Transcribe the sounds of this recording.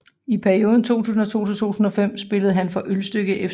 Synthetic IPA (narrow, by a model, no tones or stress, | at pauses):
ipʰæɐio̝ːðˠn̩t͡sʰo̝̰ːt͡sʰṵːs̬n̩ɒ̽t͡sʰo̝̰ːsnt͡sʰṵːusn̩ɒ̽fem̰sb̥e̝ləð̞̩ˠɦænfɒ̽ʔølsd̥øɡ̥əʔef